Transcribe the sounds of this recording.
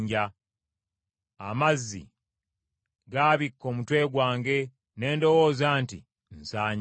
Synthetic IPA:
ɲɟa | a̰mazːḭ | ɡaːβikːo̞ːmutwe̞ːɡwaːŋɡe̞ | ne̞ːndo̞wo̞ːzaːntḭ | nsaːɲ

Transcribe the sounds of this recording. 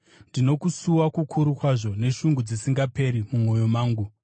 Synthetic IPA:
ndino̞kusuwakukʰuɾukwaʐo̞ne̞ʃuŋɡud͡zisiŋɡape̞ɾimumo̞jo̞maːŋɡu

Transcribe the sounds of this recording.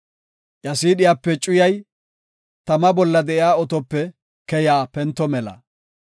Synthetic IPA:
jɐsiːɗɪjaːpːɛt͡ʃʼʊjɐj | t̪ɐmɐbɔlːɐd̪ɛʔɪjaːɔt̪ɔpːɛ | kɛjaːpɛnt̪ːɔmɛlɐ̰

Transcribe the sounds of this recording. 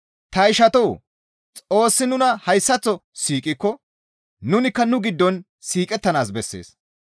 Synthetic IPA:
t̪ɐɪʃɐt̪ɔw | t͡sʼo̞ːsːɪnʊnɐhɐjsːɐt͡sːɔsiːkʼɪkːɔ | nʊnɪkːɐnʊɡɪd̪ːɔn | siːkʼɛt̪ːɐnaːs̬bɛsːḛːs

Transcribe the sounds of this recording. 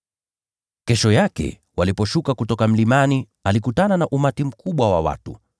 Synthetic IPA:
kɛʃɔjakɛ̰ | walipɔʃukakutɔkam̩limani | alikutananaʔumatim̩kuɓwawa̰wa̰tṵ

